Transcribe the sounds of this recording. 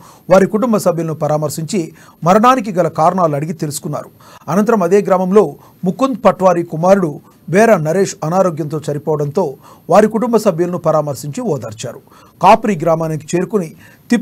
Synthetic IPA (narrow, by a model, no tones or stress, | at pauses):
ʋaːɾikuʈumbɐsɐbʱjɐlɐnupɐɾaːmɐɾsiɲt͡ʃi | mɐɾɐɳaːnik̬iɡɐlɐkaːɾɐɳaːluɐɽiɡit̪e̞lusu̥kunːa̰ːɾu | ɐnɐnt̪ɐɾɐmɐd̪eːɡɾaːmɐmlo̞ː | mukːund̪̚pɐʈʋaːɾiːkumaːɾuɽu | ʋɛːɾɐnɐɾe̞ːʂɐnaːɾoːɡjɐnt̪̬o̞ːt͡ʃɐɾipɔːʋɐɽɐnt̪o̞ː | ʋaːɾikuʈumbɐsɐbʱjɐlɐnupɐɾaːmɐɾsiɲt͡ʃiʋɔːd̪ɐːɾt͡ʃa̰ːɾu | kaːpɾiːɡɾaːmaːniki̥t͡ʃe̞ːɾukuni | t̪i